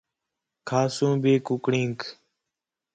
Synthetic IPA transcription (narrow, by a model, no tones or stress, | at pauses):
kʰaːsũːbeːkʊkɽĩːŋk